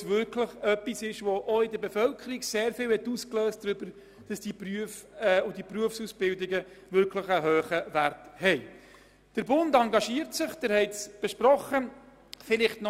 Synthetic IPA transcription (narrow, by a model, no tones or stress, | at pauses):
sʋʏɾkʰləχœpːisɪʃʋɔʔɔɪdəɾbɛfœlkʰəɾiɡseːɾfɪːlwhɛt̪uːsklœːstdɾʏbəɾ | d̥ɑsd̥ipɾyəfɛʊd̥ipruəfsusb̥ɪldɪɡə | vʏɾkləχəɦøːχəvæɾthɛɪ | d̥əɾbʊndɑŋɡɑʃiːəɾtsɪχd̥əɾhɛɪtsb̥ɛʃprɔχə | fɪlɪχtnɔ